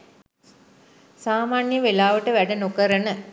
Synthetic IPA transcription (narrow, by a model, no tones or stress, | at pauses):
saːmaːnjəʋelaːʋəʈəʋæɖɐnokəɾənə